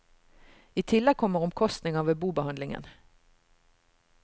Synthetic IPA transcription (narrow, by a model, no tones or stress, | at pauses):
iːt̪ʰɪlɛɡ̚kʰɔmːəʁɔmkʰɔst̪nɪŋɑʋeːbuːbəhɑnd̪lɪŋə̰n